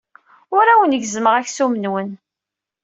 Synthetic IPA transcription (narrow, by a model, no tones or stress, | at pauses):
ʊɾawənʝzməʁæçsumənwən